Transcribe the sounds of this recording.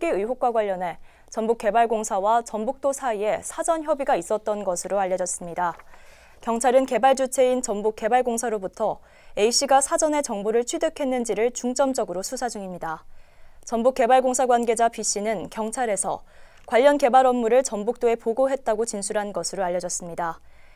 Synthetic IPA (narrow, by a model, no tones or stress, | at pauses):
k͈iɯiɦok̚k͈waɡwaʎːʌne̞ | t͡ɕʌmbuk͈ːe̞baɭɡoŋsʰawat͡ɕʌmbuk̚t͈osʰaie̞sʰad͡ʑʌnçjʌbiɡais͈ʌt̚t͈ʌnɡʌsʰɯɾoaʎːʌd͡ʑʌs͈ɯmɲida | kjʌŋt͡ɕʰaɾɯnke̞baɭd͡ʑut͡ɕʰe̞int͡ɕʌmbuk͈ːe̞baɭɡoŋsʰaɾobutʰʌ | e̞iɕ͈iɡasʰad͡ʑʌne̞t͡ɕʌŋbuɾɯɭt͡ɕʰɥidɯkʰe̞nːɯnd͡ʑiɾɯɭt͡ɕuŋt͡ɕ͈ʌmd͡ʑʌɡɯɾosʰusʰad͡ʑuŋimɲida | t͡ɕʌmbuk͈ːe̞baɭɡoŋsʰaɡwanɡe̞d͡ʑapiɕ͈inɯnkjʌŋt͡ɕʰaɾe̞sʰʌ̰ | kwaʎːʌnke̞baɾʌmːuɾɯɭt͡ɕʌmbuk̚t͈oe̞poɡoɦe̞t̚t͈aɡot͡ɕinsʰuɾɦannɡʌsʰɯɾoaʎːjːʌd͡ʑʌs͈ɯmɲida